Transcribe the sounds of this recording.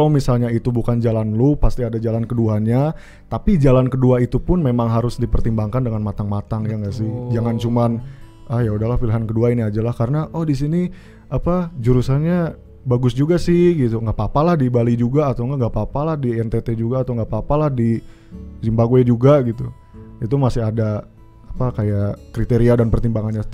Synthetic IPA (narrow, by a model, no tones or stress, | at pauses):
kalamisalɲait̪ubukand͡ʒalanlopast̪iadad͡ʒalankəduaɲa | t̪apid͡ʒalankəduait̪upʊnmemaŋɦaɾʊsdipərt̪imbaŋkandəŋanmat̪aŋmat̪aŋjaŋɡasɪhd͡ʒaŋant͡ʃuman | ajaudahlahfilɦankəduainiad͡ʒalahkaɾənaʔɔhdisini | apad͡ʒuɾusaɲa | baɡʊsd͡ʒuɡasɪhɡit̪uŋɡapapalahdibalid͡ʒuɡaːt̪awŋɡaʔŋɡapapalahdiɛnt̪et̪ed͡ʒuɡaːt̪awŋɡapapalahdi | zimbaɡoed͡ʒuɡaɡit̪u | it̪̬umasɪɦada | apakajakɾit̪eɾiadanpərt̪imbaŋanɲat̪